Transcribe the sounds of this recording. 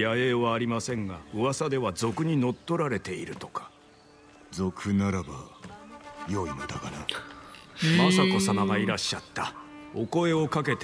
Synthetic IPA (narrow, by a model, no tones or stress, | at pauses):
jaeːβaːɾʲimasẽ̞ŋɡaoβasad̪e̞βazo̞kɯ̟ɲ̟ino̞t̪ːo̞ɾaɾe̞t̪e̞iɾɯ̟t̪o̞̥kḁ | zo̞kʰɯ̟naɾaba | joimot̪akana | masako̞samaɡaiɾaɕːat̪ːao̞̰ko̞e̞o̞kak̬e̞t̪